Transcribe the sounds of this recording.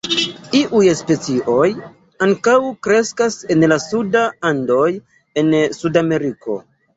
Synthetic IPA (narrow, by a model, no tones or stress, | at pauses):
iʔujspe̞t͡siʔo̞j | aŋkawkɾe̞skase̞nlasudaando̞j | e̞nsudame̞ɾiko̞̰